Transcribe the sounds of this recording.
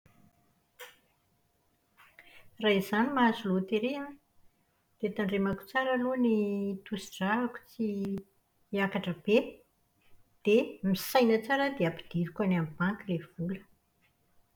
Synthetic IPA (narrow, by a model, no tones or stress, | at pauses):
raɦizanimazulot̪eɾe | d̪̥et̪aɳɖ͡ʐemaku̥t͡saɾəlonit̪usiɖ͡ʐaɦaku̥t͡siː | akaʈ͡ʂəb̥e | d̪̥emisajnət͡saɾəd̪eapid̪̥iɾikanamibaŋkilev̥ulə̥